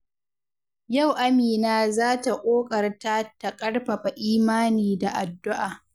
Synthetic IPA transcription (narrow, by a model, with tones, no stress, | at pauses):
ja˦˨wʔa˦miː˨naː˦zaː˦ta˨ʔʷʼoː˦kʼɐ˨rta˦ta˨kʼɐ˦rɸa˨ɸa˨ʔiː˦maː˦niː˨da˨ʔa˨dːʊ˦ʔaː˨